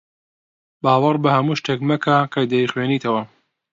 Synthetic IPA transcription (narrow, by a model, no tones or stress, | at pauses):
baːwɐrbɐhɐmuːʃt̪ekmɐkʰakɐjd̪ɐixweːniːt̪ʰɐwɐ